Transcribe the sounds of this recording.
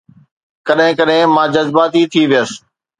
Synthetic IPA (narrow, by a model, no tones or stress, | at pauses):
kəɗɦɪ̃kəɗɦɪ̃mãːd͡ʑəzbaːt̪it̪ʰiʋijəs